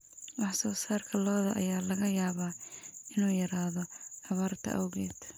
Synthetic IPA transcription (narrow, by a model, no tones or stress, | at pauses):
wɑħsɔːsaːrkʰɐlɔːðɐʔɐjaːlɐɣɐjaːβaːɪnuːjɐɾaːðɔɑβaːrt̪ʰɐ̰ʔɐ̰wɣɛːd̪̥